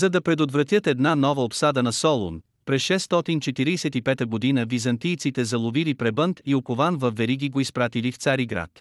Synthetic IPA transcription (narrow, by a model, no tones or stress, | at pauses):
zɐd̪ɐpɾɛd̪ot̪vɾɐt̪ʲjət̪ɛd̪nanɔvəopsad̪ənɐsɔlˠo̰n | pɾɛsʃɛst̪ɔt̪int͡ʃɛt̪iɾisɛt̪ipɛt̪əɡod̪inəvizɐnt̪ijt̪sit̪ɛzɐlˠovilipɾɛbənt̪iokovanvɐfvːɛɾiɡiɡoispɾat̪ilift̪saɾiɡɾa̰t̪